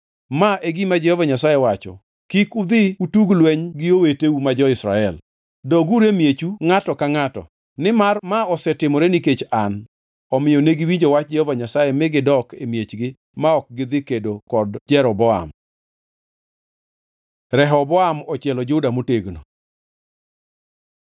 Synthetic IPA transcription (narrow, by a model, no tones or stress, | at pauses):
maʔeɡimad͡ʒɛhɔvaɲasajɛwat͡ʃɔ̰ | kikud̪ɪutuɡlweɲɡɪoweteumad͡ʒɔɪsɾa̰ɛl | dɔɡuɾemjet͡ʃuŋatɔkaŋatɔ̰ | nɪmarmaɔsɛtɪmɔɾeniket͡ʃan | ɔmɪjɔneɡiwiɲd͡ʒɔwat͡ʃ̚d͡ʒɔvaɲasajɛmɪɡɪdɔkemjet͡ʃɡɪ | maɔk̚ɡɪd̪ɪkedokɔdd͡ʒɛɾɔbɔa̰m | ɾɛɦɔbɔamɔt͡ʃjɛlɔd͡ʒʊdamoteɡno